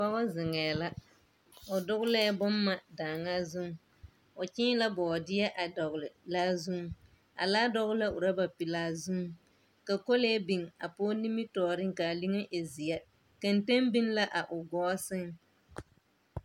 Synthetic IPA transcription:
ba˦ɣɔ˦zɪ˨ŋɛː˨la˦ | ʊ˨dʊ˦ɣʊ˦lɛ˦bʊ˦mːa˦daː˨ŋa˦zu˦ŋ | ʊ˨t͡ʃɪ̃ː˦la˦bɔ˨dɪ˦ja˦ʔa˨dɔ˨ɣʊ˨lɪ˨laː˦zu˦ŋ | a̰˨laː˦dɔ˦ɣʊ˦la˦ʔʊ˨ɾa˦ba˨pi˨laː˦zu˦ | ka˨ko˦lɛː˦bi˨ŋa˨poː˦ni˦mi˦tɔː˨ɾɪ˦ŋka˨li˦ŋe˦ʔe˨zi˨ja˦ | ka˨nte˦mbi˦nla˦ʔa˨ʔʊ˨ɡɔː˦sɪ˦ŋ

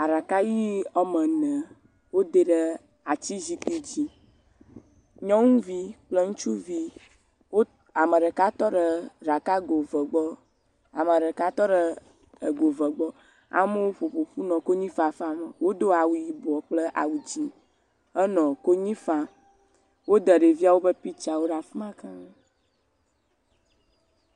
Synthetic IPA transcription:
a˨ɖa˨ka˦ji˦ɔ˦mə̃˨nə̃˨ | wo˦d̪ə˦ɖə˦ | a˨t͡ɕi˦zi˦t̪u˦d͡ʑi˦ | ɲɔ̃˦ŋũ˦vi˦k͡plə˦ŋũ˦t͡ʃu˦vi˦ | wo˦ | a˨mə˨ɖə˨ka˦t̪ɔ˦ɖə˨ɖa˨ka˦ɡo˨və˨ɡ͡bɔ˦ | a˨mə˨ɖə˨ka˦t̪ɔ˦ɖə˦ | ə˨ɡo˨və˨ɡ͡bɔ˦ | a̰˦mə˦wo˦ɸo˨ɸo˨ɸu˦nɔ̃˨ko˦ɲĩ˦fa˨fa˦mə˨wo˦d̪o˦a˨wu˨ji˨bɔ˨k͡plə˦ʔa̰˨wu˨d͡ʑi˨ | ə˦nɔ̃˨ko˦ɲĩ˦fa˦ | wo˦d̪ə˨ɖe˨vi˦a˨wo˦bə˦pi˦t͡ʃi˨a˨wo˦ɖa˨fmã˦kã˦

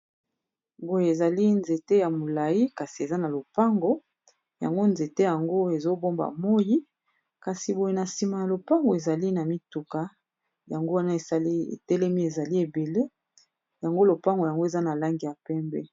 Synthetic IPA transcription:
bo˨je˨e˨za˨li˦nze˨te˦ja˨mo˨la˨ji˦ka˨si˨e˨za˦na˨lo˨pa˦ŋɡo˦ | ja̰˨ŋɡo˦nze˨te˦ja˨ŋɡo˦e˨zo˦bo˦mba̰˨mo˦ji˦ | ka˨si˨bo˨je˨na˨si˨ma˨ja˨lo˨pa˦ŋɡo˨e˨za˨li˦na˨mi˦tu˨ka˨ | ja˨ŋɡo˦wa˦na˦e˨sa˦i˦ḛ˨tɛ˦lɛ˦mi˦e˨za˨li˦e˨be˨le˦ | ja˨ŋɡo˦lo˨pa˦ŋɡo˨ja˨ŋɡo˦e˨za˦na˨la˦ŋɡi˨ja˨pɛ˦mbɛ˦

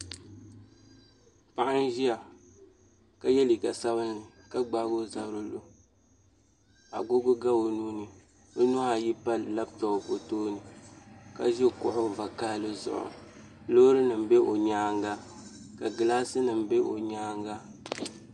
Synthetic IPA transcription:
pa˦˨ʔa˦n˦ʒi˦a˨ | ka˦˨jɛ˦li˨ka˨sa˦bɨ˦n˦ɨ˨ | ka˦ɡ͡ba˨˦ɡo˦za˨˦ɾo˦lo˨ | a̰˨ɡʊ˦ɡʊ˦ɡa˦o˨nuː˦nɨ˨ | o˦nʊ˦ha˨ji˦pa˦lla˦btɔ˨o˨po˨toː˦nɨ˨ka̰˦ʒɛ˦˨kʊ˨ʔʊ˦va˨kaː˦lɨ˦zʊ̰˨ʔʊ̰˨ | lo˦ɾɨ˦nɨ˨m˦be˦ʔo˨ɲaː˦ŋɡa˦ | ka˨ɡɨ˨laː˦sɨ˦nɨ˨m˦be˦ʔo̰˨ɲaː˦ŋɡa˦

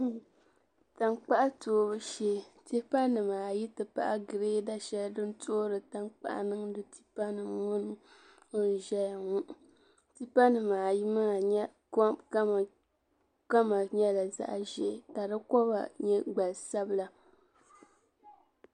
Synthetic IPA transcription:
ta˨ŋk͡pa˦ʔa˦toː˨˦bɨ˦ʃe˦ti˦pa˦nːɨ˨maː˨ji˦tɨ˨pa̰˨ʔa˦ɡɨ˨ɾeː˦da˦ʃɛ˦ldɨ˦n˦to˦ɾɨ˨ta˦ŋk͡pa̰˦˨ʔa̰˨nɨ˦ŋdɨ˦ti̥˦pa˦nɨ˨ŋʊ˦n˦ | o˦n̩˨ʒɛ˦ja˨ŋu˦ʔ | ti˦pa˦nɨ˨maː˨ji˦ma˦˨˦ | ka˦˨ | ka˦ma˨ɲɛ˦la˨za̰˦ʔʒɛ˦ʔka˨dɨ˦kɔ˦ba̰˨ɲɛ˦ɡ͡ba˨lsa˦bɨ˦˨la˨

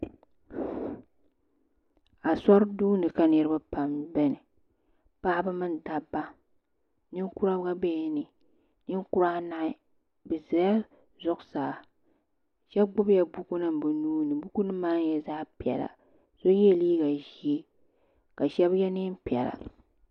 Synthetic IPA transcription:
a˨sa˦ɾduː˦nɨ˨ka˨nɨ˦ɾɨ˦ba˦pa˨mbɛ˦nɨ˨ | pa˦bɨ˦mɨ˦n˦da˨bːa˦ | nɨ˦ŋ˦ku˦ɾa˦bɡa˦bɛː˦nɨ˨ | nɨ˦n˦ku˦ɾa˦na˦ʔɪ˦ | bɨ˨za˨˦a˦ | zʊ˦ʔsaː˨ | ʃɛ˦ɡ͡bʊ˦bja˨bu˦ku˦nɨ˦m˨bɨ˨nuː˦nɨ˨bu˦ku˦nɨ˦maː˦jɛ˨zaː˦pi˨ɛ̰˨la̰˨ | so˦jɛ˦˨liː˦ɡa˨ʒi˨˦e˦ | ka˨ʃɛ˦bjɛ˦nɪ˦m˦pi˨ɛ̰˨la̰˨

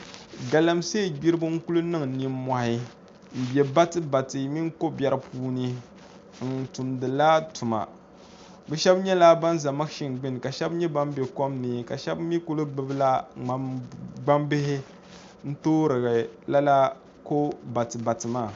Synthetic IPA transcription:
ɡa˨la˨mse˦˨ɡ͡bi˦ɾɨ˦bɨ˦ŋ̩˦ku˦lɨ˦nɨ˦ŋni˦m˦ma˨hɪ˦ | m̩˨bʲɛ˨ba˦tɨ˦ba˨tɨ˨mi˦ŋ˦ko˦bɛ˦ɾɨ˦pʰuː˦nɨ˦ | n̩˦˨tu˨mdɨ˨la˦tu˨ma̰˨ | bɛ˦ʃɛ˦bɲɛ˦la˦ba˦n˦za˨ma˦kʃi˨ŋ˨ɡ͡bɪ˦nɨ˨ka˨ʃɛ˦bɲɛ˦ba˦m˦bɛ˨ko˦mnɨ˨ka˨ʃɛ˦bmi˦ku˦lɨ˦ɡ͡bɨ˦bɨ˦la˦a˨ɡ͡ba˦mbɪ˦ɦɪ˦ | n̩˦toː˦ɾɨ˨ɡɨ˨la˦la˦ | ko˦ba˨tɨ˨ba˨tɨ˨maː˦˨

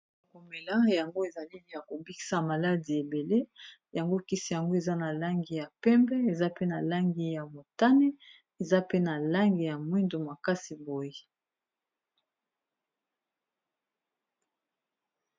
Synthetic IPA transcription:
ko˨me˨la˦ja˨ŋɡo˦e˨za˨li˦˨a˨ko˨bi˦ki̥˨sa˦ma˨la˦di˨e˨be˨le˦ | ja˨ŋɡo˦ki˦si˨ja˨ŋɡo˦e˨za˦na˨la˦ŋɡi˨ja˨pɛ˦mbɛ˦e˨za˦pe˦na˨la˦ŋɡi˨ja˨mo˨ta˦ne˦ | e˨za˦pe˦na˨la˦ŋɡi˨ja˨mwi˦ndo˨ma˨ka˦si˨bo˨je˦

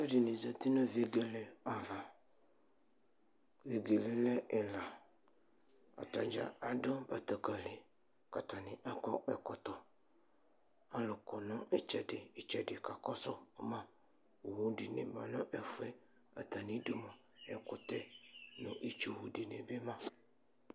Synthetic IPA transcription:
a˦dɪ˨nɪ̃˨za˨t̪i˦nʊ̃˦ve˨ɡe˨lɛ˨a˨va˨ | ve˨ɡe˨lɛ˨lɛ˦ʔɛ˨la˨ | a̰˨ta˨d͡ʒa̰˨a˨dɔ˦ba˨t̪a˨ka˨lɪ˨ | ka˨t̪ʰa˨nɪ̃˨ʔa˦kɔ˦ʔɛ˨kɔ˨t̪ɔ˨ | a˦lʊ˨kɔ˨nʊ̃˦ɛ˦t͡ʃɛ˨dɪ˨ɪ˨t͡ʃɛ˨dɪ˨ka˨kɔ˦sɔ˦mã˦ | wo˨wũ˦di˨nɪ̰̃˨mã˨nʊ̃˦ʔɛ˦fʊ˦ɛ˦ | a̰˨t̪a˨nĩ˦du˦mã˨ | ɛ˨kʊ˦t̪ɛ˦nʊ̃˨ʔi˦t͡ʃu˨wu˨di˨nɪ̃˨be˦mã˦

